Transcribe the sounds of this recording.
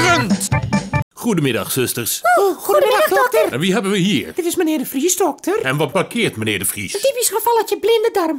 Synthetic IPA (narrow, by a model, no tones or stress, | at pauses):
røn | xudəmɪda̰xsøstərsoxuɪdxddɔtərʋiɦɛbənʋəhiːrd̥ɪtɪsmənɪːrdəfrisdɔk̚tərɛnʋɔt̚bakʰɪːtmənɪːdəfrḭsəntipisxəfɔlˠɔtjəblɪndədɔrm